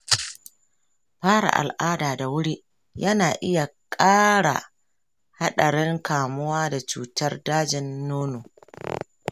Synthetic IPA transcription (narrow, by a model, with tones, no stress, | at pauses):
ɸaː˦ɽa̰˨ʔa̰˨lʔaː˦daː˨da˨wʊ˦ɽi˦ | jɐ˦naː˨ʔɪ˦ja˨kʼaː˦ɽa̰˨ | ha˦ɗɐ˨ɽɛ˦ŋkaː˨mʊ˦waː˦da˨t͡ʃṵː˨tɐ˦rdaː˦d͡ʒɪ˨nːoː˦noː˨